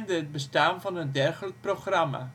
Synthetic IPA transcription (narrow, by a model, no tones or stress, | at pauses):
ndəɦət̚bəstaːnvɑnəndɛrɣələk̚proχrɑma̰